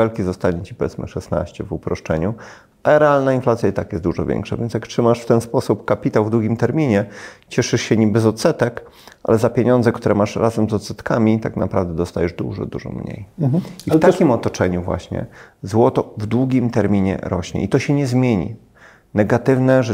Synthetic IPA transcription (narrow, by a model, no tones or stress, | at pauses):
ɛlkʲizɔst̪aɲɛ̃t͡ɕi̥pɔvʲjɛt̪smɘ̰ʂɛsna̰ɕt͡ɕɛvupɾɔʂt͡ʂɛɲu | aɛɾɛalnainflat̪sʲjait̪akjɛst̪d̪uʐɔvʲjɛ̰ŋkʂa̰vʲjɛnt̪ʲjaktʂɘmaʂft̪ɛnspɔsupkapʲit̪awvd̪wuɡʲimt̪ɛɾmʲiɲɛt͡ɕɛʂɘʂɕɛɲibɛzɔt̪sɛt̪ɛk | a̰lɛzapʲeɲɔnd̪zɛkt̪uɾɛmaʂɾazamzɔt̪sɛt̪kamʲit̪aknapɾavd̪ɛd̪ɔst̪ajɛʐd̪ṵʐɔ̰d̪ṵʐɔ̰mɲḛjift̪akʲimɔt̪ɔt͡ʂɛɲuvwa̰ɕɲɛ̰zwɔt̪ɔvd̪wuɡʲimt̪ɛɾmʲiɲɛ̰ɾɔɕɲɛ̰it̪ɔɕɛɲɛzmʲjeɲḭ | nɛɡat̪ɘvnɛʐɛ